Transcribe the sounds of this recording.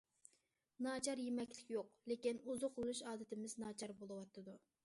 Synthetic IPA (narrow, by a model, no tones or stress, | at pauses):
nɑːt͡ʃʰɑɾjemɛkʲlɪ̥kʲjoqlekʲinuzʊqlˠɨlˠuʃɑːd̪ɨt̪ɪmɪznɑːt͡ʃʰɑɾbolˠɨwɑt̪ʰːɨd̪u